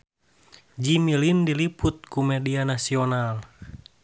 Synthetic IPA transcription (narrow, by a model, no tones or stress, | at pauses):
d͡ʒimilindiliput̪̚kumɛdianasiɔnal